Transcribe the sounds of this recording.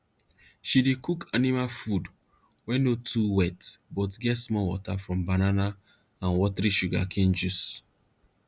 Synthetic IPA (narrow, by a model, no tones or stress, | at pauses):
ʃidekukʰanimalfud | wɛnotʰuwɛtbɔtɡɛtsmɔwɔ̰tafɹɔ̃mbanana | ãnwɔtɾiʃuɡa̰kʰẽnd͡ʒus